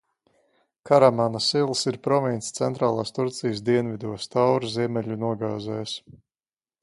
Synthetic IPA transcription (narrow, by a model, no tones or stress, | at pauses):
kaɾamanasilˠsiɾpɾɔvint̪st̪sɛnt̪ɾaːlˠaːst̪uɾt̪sijəsd̪iɛnvid̪uɔst̪awɾziɛmɛʎʲunuɔɡaːzɛːjs